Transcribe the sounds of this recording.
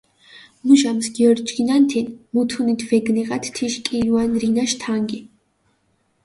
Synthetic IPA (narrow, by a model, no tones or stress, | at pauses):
muʒamsɡiɔɾɡd͡ʒɡinant̪ʰinmut̪ʰunit̪ʰvɛɡnɛʁat̪ʰt̪ʰiʃkʼiuanɾinaʃt̪ʰaŋɡi